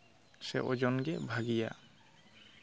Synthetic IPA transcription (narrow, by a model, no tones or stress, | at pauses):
sḛʔod͡ʒɔnɡɛbʱaɡija̰